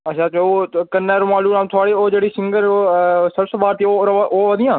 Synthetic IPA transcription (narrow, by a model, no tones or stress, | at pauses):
ətʃʰaːt͡ʃookənːɛːɾoːmaːluːɾãːmt̪ʰʊaːɽiːoːd͡ʒeːɽiːsɪŋɡəɾsəbsəbaːɾt̪ioɾʋʔoːʋəd̪ɪjãː